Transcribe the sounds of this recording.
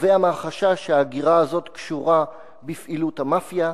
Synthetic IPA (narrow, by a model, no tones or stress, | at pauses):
veamaʁχaʃaʃeaɡiʁaːzo̞t̪kʃuʁa | bifʔiluthamafja